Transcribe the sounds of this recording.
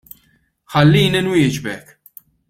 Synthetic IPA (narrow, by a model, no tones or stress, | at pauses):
ħɐlːiːninwɪːd͡ʒbɛk